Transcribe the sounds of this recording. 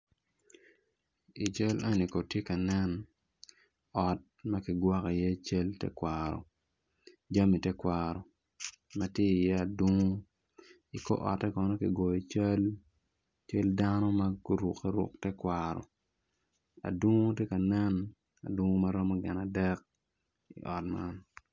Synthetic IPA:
i˨t͡ʃɐ˦la˦ni˨ko˨tje˦ka˨nɛ˦n | ɔ˨t̚mɐ˦kɪ˨ɡwa˦ki˨je˦t͡ʃe˦ltɛ̰˦kwaɾɔ̰˨ | d͡ʒa˦mi˨tɛ˦kwa˨ɾɔ˨ | mɐ˦tje˦i˨jɛ˦a˨dwo˦ŋo˦ | i˨ko̰˦ʔɔ̰˨tːɛ˦kɔ˨nɔ˦ki˨ɡɔ˨i˨t͡ʃa˦l | t͡ʃe˦lda˦nɔ˦mɐ˦ko˦ɾu˨kːɛ˦ɾʊ̰˨k̚tɛ˦kwaɾɔ̰˨ | a̰˨dwo˦ŋo˦te˦ka˨nɛ˦n | a̰˨dwu˦ŋo˦ma˦ɾɔ˦mɔ˦ɡɪ˨na˨dɛ˦k̚ | ḭ˨ʔɔ˨t̚ma̰˦n

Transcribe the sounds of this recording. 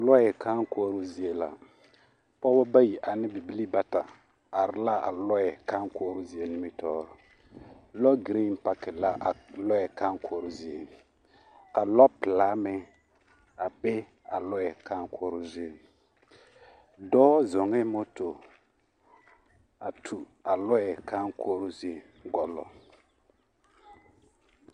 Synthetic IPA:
lɔ˦jɛ˨ka˦ŋ˦kɔː˦ɾu˦zi˦e˨la̰˨ | pɔ˦bɔ˦ba˦ji˨ʔa˨nɪ˦bi˨bi˦li˦ba˦ta˨ | a˨ɾɪ˨la˦ʔa̰˨lɔ˦ɛ˨ka˦ŋ˦kɔː˦ɾʊ˦zi˨e˨nɪ˦mi˦tɔː˦ɾʊ˨ | lɔ˦ɡi˨ɾi˦n˦pa˦kɪ˨la˦ʔlɔ˦jɛ˨ka˦ŋkʰɔː˨˦ɾu˦zi˨e˨ | ka˨lɔ˦pɪ˨laː˦mɛ˦ | a˨be˦ | a̰˨lɔ˦ɛ˨ka˦ŋ˦kʰɔː˦ɾʊ˦zi˦e˨ | dɔː˦zɔ˨ŋɛ˦mo˦to˨ | a˨tʰu˨ | a˨lɔ˦ɛ˨ka˦ŋkʰoː˦ɾʊ˦zi˦e˨ | ɡɔ˦lɔ̰˨

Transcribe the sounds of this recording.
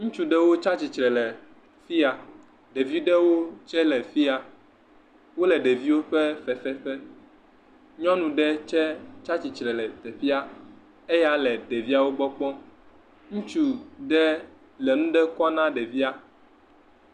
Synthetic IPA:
ŋũ˦t͡ʃu˨ɖɛ˦wo˦t͡ʃa˦t͡ɕi˨t͡ʃɾɛ˨lɛ˨ | fi˦a˨ | ɖe˨vi˦ɖɛ˦wo˦t͡ʃɛ˦lɛ˨fi˦a˨ | wo˦lɛ˨ɖe˨vi˦wo˦ɸɛ˦fɛ˨fɛ˦ɸɛ˦ | ɲɔ̃˦nũ˨ɖɛ˦t͡ʃɛ˦t͡ʃa˦t͡ɕi˨t͡ʃɾɛ˨lɛ˨t̪ɛ˨ɸi˦a˦ | e˦ja˦lɛ˨ɖe˨vi˦a˦wo˦ɡ͡bɔ˦k͡pɔ̃˦ | ŋũ˦t͡ʃu˦ɖɛ˦ | lɛ˨nũ˦ɖɛ˦kɔ˦nã˦ɖɛ˨vi˦a˦

